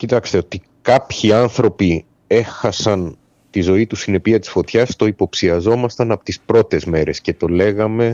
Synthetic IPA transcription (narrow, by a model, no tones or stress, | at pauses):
cit̪ɐkst̪e̞o̞t̪i | kɐpçiɐnθɾo̞pi | e̞xɐsɐn | t̪izo̞it̪usine̞piɐt̪i̥sfo̞t̪çɐst̪o̞ipo̞psiɐzo̞mɐst̪ɐnɐpo̞̥t̪ispɾo̞t̪e̞zme̞ɾe̞sce̞t̪o̞le̞ɣɐme̞